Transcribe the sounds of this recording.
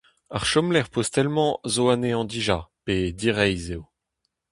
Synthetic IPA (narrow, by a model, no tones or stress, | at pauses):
aʁʃɔmlɛʁpozt̪ɛlmɑ̃zoaneɑ̃d̪iʒaped̪iʁɛjzeo